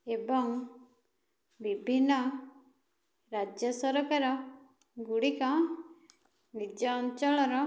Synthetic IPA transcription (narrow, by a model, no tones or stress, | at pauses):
ebɔŋ | bibʱinːɔ | ɾad͡ʒjɔsɔɾɔkaɾɔ | ɡuɽikɔ | nid͡ʒɔːnt͡ʃɔɭɔɾɔ